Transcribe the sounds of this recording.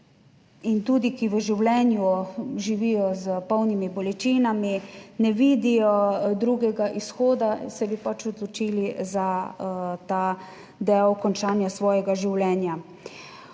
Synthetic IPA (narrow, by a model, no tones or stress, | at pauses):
int̪uːd̪ikiʋəʒiwlɛnjuʒiʋiːjɔzəpɔwnimibɔlɛt͡ʃiːnaminɛʋiːd̪ijɔd̪ɾuːɡɛɡaʔisxɔːd̪asɛbipat͡ʃɔd̪lɔt͡ʃiːliza | t̪a | d̪ɛwkɔnt͡ʃaːnjasʋɔːjɛɡaʒiwlɛːnja